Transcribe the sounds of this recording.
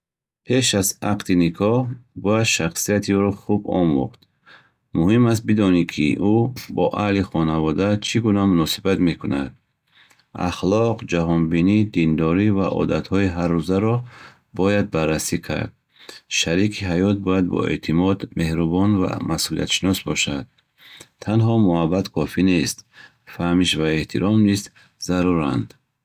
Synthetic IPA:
pʰe̞ʃazaqt̪inikʰɔhbɔjad̪ʃaχsijat̪ʰiuɾɔχubɔ̰mṵχt̪ | muhimas̬t̪̚bid̪ɔnikʰḭʔubɔʔahliχɔnavɔd̪at͡ʃʰiɡunamunɔsibat̪me̞kuna̰d̪̚ | a̰χlɔqd͡ʒaɦɔnbinid̪ind̪ɔɾiva̰ʔɔ̰d̪at̪hɔiɦarːuzaɾɔ | bɔjad̪̚barːasikʰa̰ɾd̪̚ | ʃaɾikʰiɦajɔt̪̚bɔjad̪̚bɔ̰e̞̰t̪ʰimɔd̪me̞hɾubɔnva̰masulḭa̰t̪ʃinɔsbɔʃad̪̥̚ | t̪ʰːanɦɔmuabat̪kʰɔfine̞st̪ | fahmiʃvae̞ht̪ʰiɾɔmnist̪ | zaɾuɾand̪

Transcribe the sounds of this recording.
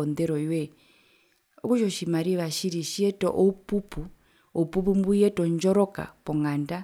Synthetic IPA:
ɔnd̪ɛɾɔiwɛ | ɔkuʃɔʃimaɾiβaʃiɾiʃiɛtʼɔ̰ʔɔupupʰu | ɔupupumbujɛtʼɔnd͡ʒɔɾɔkʼa̰pɔŋɡanda

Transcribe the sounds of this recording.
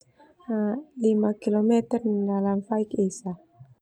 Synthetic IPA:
alimakilomɛt̪ərdalamfaikesa

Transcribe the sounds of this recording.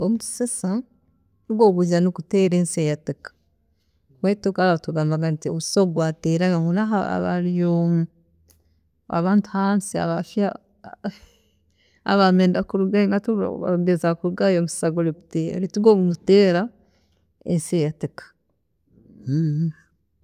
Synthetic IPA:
omutu̥sesa | nuɡoːβuzanukuteɾeːnseːjatikḁ | βetokaɾaatuɡaːmbaɡantio̰βusoɡwaːteːɾajahunaɦaa̰βa̰ɾijom | a̰βaːntuhansia̰βafja | a̰βameːndakuɾuɡaŋɡatṵa̰ɡezakuɾuɡajomisaɡoɾiku̥teɾituɡounuteːɾa | ensejatikḁ

